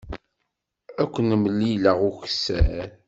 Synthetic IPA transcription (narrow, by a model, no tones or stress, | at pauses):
ækʷːənəməlːiləʁuçsæ̰ɾ